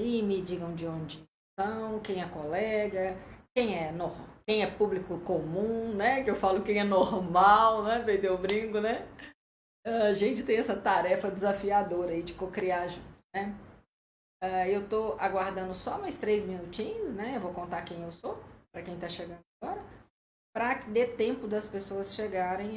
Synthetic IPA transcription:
imɪd͡ʒiɡɐ̃w̃d͡ʒɪõd͡ʒɪ | t̪ɐ̃w̃kẽj̃ɛkolɛɡɐkẽj̃ɛnohkẽj̃ɛpublikʊkomũnɛkɪewfalʊkẽj̃ɛnoɾmawnɛpeɾd̪ewʊbɾĩɡʊnɛ | ɛaʒẽnt͡ʃɪt̪ẽj̃ɛsɐt̪aɾɛfɐd͡ʒɪzafiad̪oɾɐid͡ʒɪkokɾiaʒũt̪ʊnɛ | aewt̪oaɡwaɾd̪ɐ̃nd̪ʊsɔmajst̪ɾejzmĩnut͡ʃĩɲʊsnɛewvokõnt̪akẽj̃ewsopɾɐkẽj̃t̪aʃeɡɐ̃nd̪ʊaɡɔɾɐ | pɾɐkɪd̪et̪ẽmpʊd̪ɐspesoɐsʃeɡaɾẽj̃

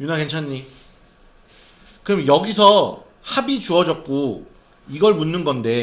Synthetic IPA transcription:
junakent͡ɕʰaɲːi | kɯɾʌmjʌjʌɡisʰʌ | habit͡ɕuʌd͡ʑʌk̚k͈o | iɡʌɭmunːɯnɡʌnde̞

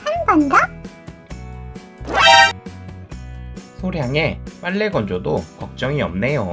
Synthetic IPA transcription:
hanɡʌnda | sʰoɾjaŋe̞paɭːe̞ɡʌnd͡ʑodokʌk̚t͡ɕ͈ʌŋiʌmne̞jo

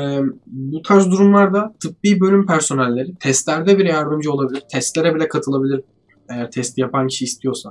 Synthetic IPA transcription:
ɛːbut̪ʰaɾzd̪uɾumlˠaɾd̪at̪ʰɯp̚biːbø̞lʲympʰæɾso̞nɛlʲːe̞ɾit̪ʰɛst̪lʲæɾd̪ɛbiɾɛjaɾd̪ɯmd͡ʒɯo̞lˠabilʲiɾt̪ʰɛst̪lʲe̞ɾɛbilʲɛkʰat̪ʰɯlˠabilʲiɾ | e̞jæɾt̪ʰɛst̪ʰijapancʰi̥ʃiːst̪ʰijo̞sa

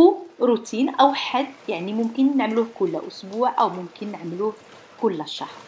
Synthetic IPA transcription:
ɾut̪ʰiːnʔæwħad̪jaʕnimʊmkənːəʕmluːhkʊlːʔʊsbuːʕʔæwmʊmkənːəʕmluːh | kʊlːæʃːɑ̰hɾ

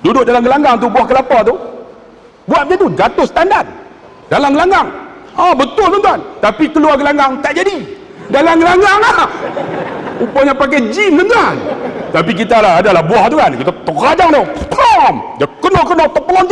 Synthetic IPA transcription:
dudʊʔ̚dalamɡəlaŋɡaŋt̪ubuahkəlapat̪u | buaʔɲat̪ud͡ʒat̪ʊhsə̥t̪andat̪̚ | dalamɡəlaŋɡaŋabət̪ʊlənt̪uant̪apikəluaɡəlaŋɡaŋt̪aʔd͡ʒadi | dalamɡəlaŋɡaŋa | upaɲapak̬ajd͡ʒimɡənt̪uant̪ap̬ik̬it̪alaadalahbuaht̪ukankit̪at̪ərad͡ʒaŋdɔpəlɔmd͡ʒakənɔkənɔt̪əpəlɔnt̪

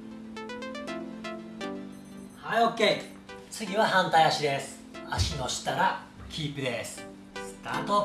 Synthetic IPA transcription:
haiokːe̞ | t͡sɨɡʲiβahãnt̪aiaɕid̪e̞sɨ̥ | aɕino̞ɕi̥t̪aɾa | kʲʰiːpɯ̟d̪e̞sɨ̥ | sɨ̥t̪aːt̪o

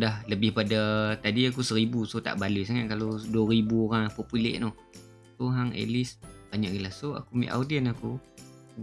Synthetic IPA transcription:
dahləbɪhpadat̪adiak̬usəɾibusot̪a̰ʔbalisaŋaʔ̪̚kaloduəɾibuoɾaŋapopulḛʔnʊh | soɦaŋḛlɪsb̥aɲaʔɡilahsoa̰kumḭʔa̰wdiənaku

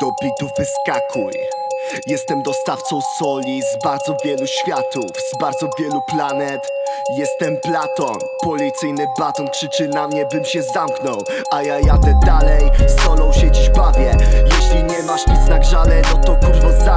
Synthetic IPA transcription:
d̪̥ɔplʲit̪uvɘskakʰuj | jɛst̪ɛmd̪ɔst̪aft̪sɔ̃w̃sɔlʲizbaɾd̪zɔvʲjɛluɕfʲjat̪ufzbaɾd̪zɔvʲjɛluplanɛt̪ | jɛst̪ɛmplat̪ɔnpɔlʲit̪sɘjnɘblat̪ɔnkʂɘt͡ʂɘnamɲɛbɘmɕɛzamknɔw | ʔajajat̪ɛd̪alɛjst̪ɔnɔ̃w̃ɕɛd͡ʑiʑbavʲjɛjɛɕlʲiɲɛmaʂɲʲit̪snaɡʐanɛnɔt̪ɔkut̪vɔza

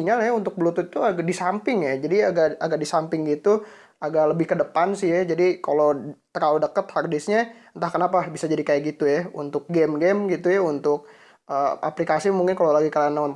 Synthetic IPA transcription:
iɲalajaunt̪ʊk̚bəlut̪ʊt̪uaɡadisampɪŋjad͡ʒadiaɡaaɡaʔ̚disampɪŋɡit̪u | aɡaʔləbɪhkədəpansɪhjad͡ʒadikalot̪əɾaludəkət̪hardɪsɲaənt̪ahkənapabisad͡ʒadikajaɡit̪ujaṵnt̪ʊk̚ɡɛmɡɛmɡit̪ujaunt̪ʊk̚ | əa̰plikasimuŋkɪnkalolaɡikalanan

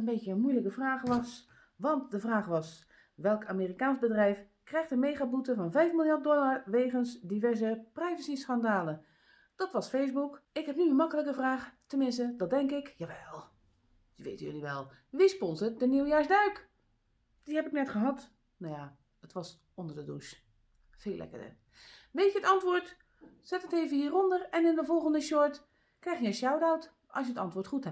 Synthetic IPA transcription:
ənbejtənmujləkəvraːχʋɑs | ʋɑnt̚dəvraːχʋɑs | ʋɛlˠkamiːrikaːnsbədrɛjf | krɛjχtəmejχaːbutəvɑnvɛjfmɪlˠjart̚dɔlaɹʋeːχənsdivɛɹzəprɛjvəsisχandaːlən | d̥ɑtʋɑsfejzbukɪkɦɛpniənmɑkələkəvraːχtəmɪnstədɑt̚dɛŋkɪkjaːʋɛlˠ | dəʋḛːtənjøliʋɛlˠ | ʋispɔnzət̚dəniwjaːɹzdœɥk | d̥ihɛpɪknɛtχəɦɑt | naja | ətʋɑs | ɔndərdədṵʃ | feːlʔɛ̰kə̰də̰ | ʋejtjəətɑntʋʊːɹt | sɛtəteːvəhiːrɔndərɛnɪndəvɔlˠχəndəʃɔɹt | krɛjxjəənʃawdawt | ʔɑ̰sjətɑntʋʊːɹtχuthɛ

